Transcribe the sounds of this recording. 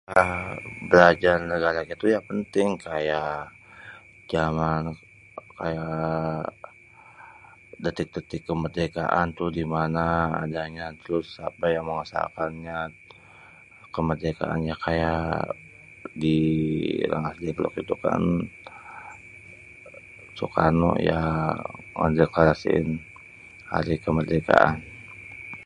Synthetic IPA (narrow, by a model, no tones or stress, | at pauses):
abəlad͡ʒarnəɡaɾakit̪ujapənt̪ɪŋkʰajaʔ | d͡ʒaman | kaja | dat̪ɪk̚d̪ət̪ɪkːəmərd̪eka̰ʔant̪ʊhdimana̰ːdaɲat̪ɾʊsapajaŋməŋəsa̰kanɲa | kəmərdeka̰ʔa̰njakʰaja | di | lʔa̰ŋasdɛblɔ̰kit̪uka̰n | sukanɔ̰ja̰ | ŋə̰ndeklaɾasḭɪn | ha̰ɾikəmərd̪eka̰ʔan